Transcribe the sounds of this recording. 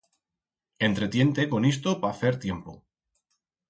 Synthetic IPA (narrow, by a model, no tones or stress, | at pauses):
e̞nt̪ɾe̞t̪je̞nt̪eko̞nis̬t̪opaθe̞ɾt̪je̞mpo̰